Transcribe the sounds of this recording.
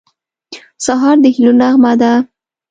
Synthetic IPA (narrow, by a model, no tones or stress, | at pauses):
saɦɑɾd̪əhilunaɣmad̪a